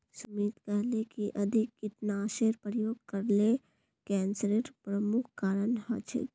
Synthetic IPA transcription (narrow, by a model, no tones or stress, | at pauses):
sʊmiːt̪kəɦlekiʔɐd̪ʱɪkːɪt̪naːʃeːɾpɾəjoːɡ̚kɐɾle | kɛ̃ːnsɾeːɾpɾəmʊkʰkaːɾənɦɔ̰t͡ʃʰɪ̰